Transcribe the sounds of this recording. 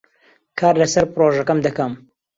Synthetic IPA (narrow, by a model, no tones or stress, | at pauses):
kʰaːɾlɐsɐɾpɨɾoːʒɐkɐmd̪ɐkɐm